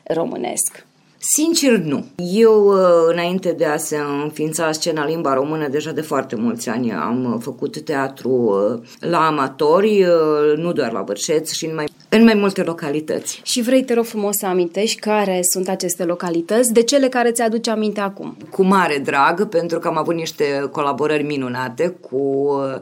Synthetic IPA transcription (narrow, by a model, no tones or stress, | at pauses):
ro̞̰mɨ̰ne̞̰sk | sint͡ʃernuje̞wɨnaint̪e̞d̪e̞ase̞ɨnfint̪sast͡ʃe̞nalimbaɾo̞mɨnəd̪e̞ʒad̪e̞foart̪e̞mult̪sʲa̰nʲa̰mfəkut̪ːe̞at̪ɾu | laːmat̪o̞rʲnud̪oarla̰vɨrʃe̞t̪ʃiɨnmaj | ɨnmajmult̪e̞lo̞kalit̪ə̰t̪sʲʃivɾejt̪eɾo̞fɾumo̞ssəamint̪e̞ʃʲkaɾe̞sunt̪at͡ʃe̞st̪e̞lo̞kalit̪ət̪sʲd̪e̞t͡ʃe̞le̞kaɾe̞t̪sʲad̪ut͡ʃamint̪eakṵmkʰumaɾe̞d̪ɾaɡpe̞nt̪ɾukəamavut̪niʃt̪e̞ko̞labo̞ɾərʲminunat̪e̞kʰu